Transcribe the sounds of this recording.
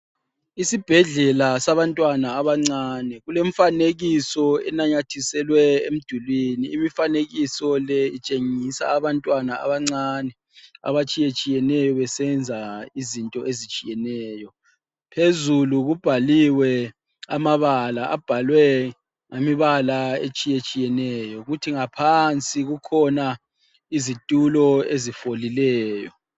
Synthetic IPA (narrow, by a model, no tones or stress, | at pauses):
isib̥ʱɛɮɛlasaβantʼwanaːβaŋ͡ǀaːnɛɣuleɱfaneɣisɔɛ̰naɲatʰisɛlwɛḛm̩d̥ʱulwiniimifaneɣisɔlɛit͡ʃʼeŋisa̰ːβantʼwanaa̰βaŋ͡ǀanɛ | a̰βat͡ʃʼijet͡ʃʼijɛnɛjɔβɛsɛnd͡zʱaizintʼɔʔezit͡ʃʼijɛnɛːjɔ | pʰezuluɣub̥ʱaliwɛ | amaβalaʔab̥ʱalwɛ | ŋamiβalaet͡ʃʼijet͡ʃʼijɛnɛjɔɣutʰiŋapʰant͡sʼiɣukʰɔna | izitʼulɔezifolilɛːjɔ